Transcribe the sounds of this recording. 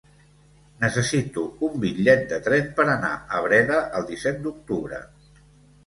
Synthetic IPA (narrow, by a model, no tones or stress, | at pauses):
nəsəsit̪uumbiʎɛt̪̚d̪ət̪ɾɛnpəɾəna̰əβ̞ɾɛðəʔəlˠd̪isɛt̪̚d̪uk̚t̪uβɾə̰